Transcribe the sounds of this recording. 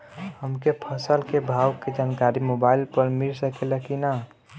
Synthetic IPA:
həmkepʰəsəlkebʱawked͡ʒankaɾimobailpəɾmiɾsəkelɛkina

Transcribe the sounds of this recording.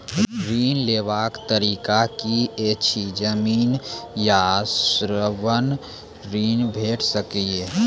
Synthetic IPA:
ɾiːnleːʋaːkt̪əɾiːkakiet͡ʃʰid͡ʒəmiːnjasɾəʋən | ɾiːnbʱeːʈʰsəkie

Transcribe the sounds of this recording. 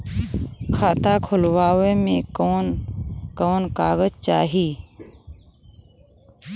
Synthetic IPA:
kʰaːt̪akʰʊlwaːʋemẽoːnkoːnkaːɣəd͡ʒt͡ʃaːɦiː

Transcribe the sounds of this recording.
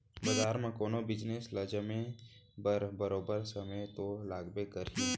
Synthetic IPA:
bɐzaːɾmẽkoːnobɪd͡ʒnesləd͡ʒəmẽbəɾbəɾoːbəɾsɐmət̪olaːɡbekəɾi

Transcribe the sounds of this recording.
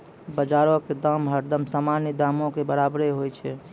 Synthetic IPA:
bəd͡ʒaɾõked̪əmɦəɾd̪əmsamanid̪aːmõkebəɾabɾeɦojt͡ʃʰɛ

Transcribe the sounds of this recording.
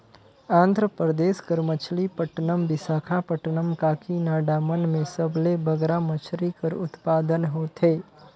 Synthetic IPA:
ãːnd̪ʱɾəpɾəd̪eːskəɾmət͡ʃʰlipəʈnəmbɪsaːkʰapəʈnəmkaːkʰinaːɖaːmənmẽsəblebəɡɾamət͡ʃʰɾikəɾʊ̰t̪paːd̪ənɦoːt̪ʰɦeː

